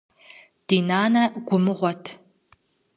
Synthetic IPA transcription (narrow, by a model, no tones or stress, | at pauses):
d̥iːnaːnɐɡʷʊmɨʁʷɔtʰ